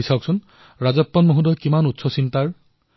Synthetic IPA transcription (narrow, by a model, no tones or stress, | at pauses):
isawksɔn | ɹazɔpːɔnmoɦudɔjkimanutsɔsintaɹ